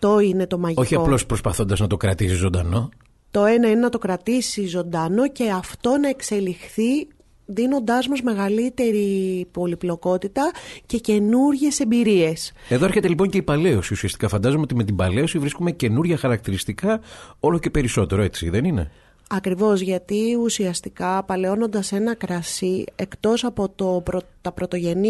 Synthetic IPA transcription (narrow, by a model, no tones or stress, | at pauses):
ft̪o̞ine̞t̪o̞mɐʝo̞çiɐlo̞spɾo̞spɐθo̞nd̪ɐznɐt̪o̞kɾɐt̪isizo̞nd̪ɐ̰no̞ | t̪o̞e̞nɐinenɐt̪o̞kɾɐt̪isizo̞nd̪ɐno̞ce̞ɐft̪o̞nɐekse̞lixθi | ðino̞nd̪ɐzmozme̞ɣɐlit̪e̞ɾipo̞liplo̞ko̞t̪it̪ɐce̞ce̞nuɾʝe̞se̞mbiɾie̞se̞ðo̞eɾçe̞t̪e̞lipo̞ɲceipɐle̞o̞siusiɐst̪ikɐfɐnd̪ɐzomeo̞t̪ime̞t̪imbɐle̞osivɾiskume̞ce̞nuɾʝɐxɐɾɐk̚t̪iɾist̪ikɐo̞lo̞ce̞pe̞ɾiso̞t̪e̞ɾoe̞t͡sḭðe̞nine̞̰ | ɐkɾivo̞zʝɐt̪iusiɐst̪i̥kɐpɐle̞o̞no̞nd̪ɐse̞nɐkɾɐsie̞kt̪o̞sɐpo̞t̪o̞pɾot̪ɐpɾot̪o̞ʝe̞ni